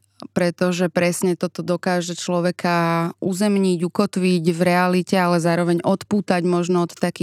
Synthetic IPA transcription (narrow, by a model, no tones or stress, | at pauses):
pɾɛt̪ɔʒɛpɾɛsɲɛt̪ɔt̪ɔd̪ɔkaːʒɛt͡ʃlɔʋɛkauzɛmɲiɟukɔt̪ʋiɟvɾɛalicɛalɛzaːɾɔʋɛɲɔt̪puːt̪aɟmɔʒnɔɔt̪ːakiː